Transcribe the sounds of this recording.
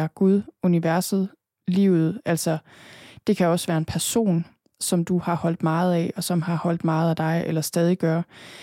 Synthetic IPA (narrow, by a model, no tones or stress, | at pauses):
ɐɡ̥uð̞ˠuniʋæɐsð̩ˠ | liːʊð̞̩ˠælsɐ | d̥e̝kʰæɒ̽sʋæːɐe̝npʰæɐso̝̰ːn | sɒ̽md̥uhɑ̈hɒ̽l̰d̥mɑ̈ːð̞̩ˠɛɒ̽sɒ̽mɦɑ̈hɒ̽l̰d̥mɑ̈ːð̩ˠæd̥ɑ̈ɪelɐsd̥ɛːð̞ˠiɡ̥ɶɐ